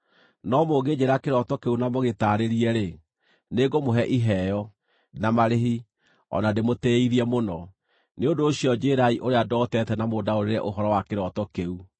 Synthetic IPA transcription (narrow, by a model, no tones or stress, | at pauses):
nɔmoːɡed͡ʑeɾakeɾɔtɔkeunamoɣetaɾeɾiɛɾe | neɡomoɦɛʔiɦɛjɔ | namaɾeɦi | ɔ̰nademotɛiðiɛmonɔ | neondoːɕiɔd͡ʑeɾaiʔoɾeadɔtɛtɛnamoːdaoɾeɾɛ̰ʔoɦɔɾɔwakeɾɔtɔkeu